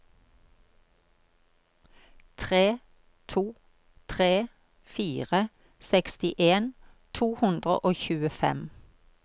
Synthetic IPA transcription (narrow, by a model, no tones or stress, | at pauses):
t̪ʰʁeː | t̪ʰuː | t̪ʰʁeː | fiːʁə | sɛkst̪ɪʔeːnt̪ʰuːhʉnd̪ʁə̰ʔoːçʉːəfɛ̰m